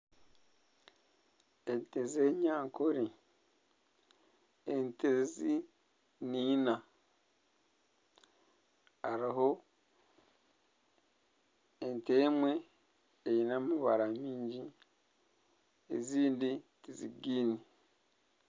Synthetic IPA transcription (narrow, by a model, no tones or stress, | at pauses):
entezeɲaːŋkoɾi | entezi | niːna | aɾiɦo | entemwe̞ː | jinamuβaɾamiːɲɟi | ḛziːnditiziɡiːni